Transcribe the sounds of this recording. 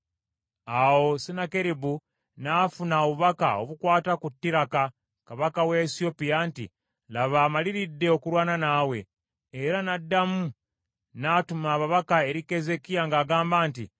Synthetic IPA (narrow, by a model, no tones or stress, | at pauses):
awo̞sinakeɾibu | naːfunaoβuβaka̰o̞̰βukwaːtakutːiɾaka | kaβakaweːsio̞pijantḭ | laβaːmaliɾidːe̞o̞kuɾwaːnanaːwe̞ː | ɾanadːamu | natumaːβaβakae̞ɾike̞ze̞kijaŋɡaːɡaːmbaːntḭ